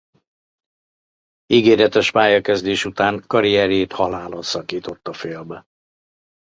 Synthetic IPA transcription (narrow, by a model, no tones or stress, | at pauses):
iɡeːɾɛt̪ɛʃpaːjɒkɛzd̪eːʃut̪aːŋkɒɾijɛɾeːt̪hɒlaːlonsɒkiːt̪o̞t̪ːɒfeːlbɛ